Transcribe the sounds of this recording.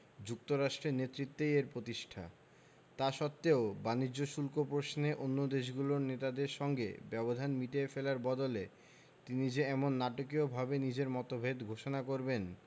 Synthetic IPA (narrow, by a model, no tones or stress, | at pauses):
d͡ʑuk̚t̪oɾaʃʈɾeɾnet̪ːɾit̪ːeeɾpɾot̪iʃʈʰa̰ | t̪aʃɔt̪ːeobanid͡ʑːoʃulkopɾoʃneʔonːod̪eʃ̬ɡuloɾnet̪ad̪eɾʃɔŋɡḛbɛbod̪ʱanmiʈeefelaɾbɔd̪ole | t̪inid͡ʑeɛmonːaʈokiobʱabenid͡ʑeɾmɔt̪obʱed̪ɡʱoʃonakoɾben